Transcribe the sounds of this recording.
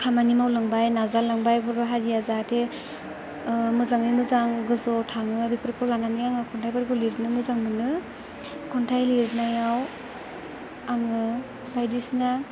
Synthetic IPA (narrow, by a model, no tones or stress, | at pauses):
kʰamanimawlaŋbajnazalaŋbajbɯbaɦaɾijazatʰe | mɯzaŋnimɯzaŋɡɯzɔtʰaŋɯbipʰɾpʰɔɾlananijaŋɯkʰɔntʰajpaɾkɯliɾnɯmɯzaŋɡɯnɯ | kʰɔntʰajliɾnajaw | aŋɯ | bajdisina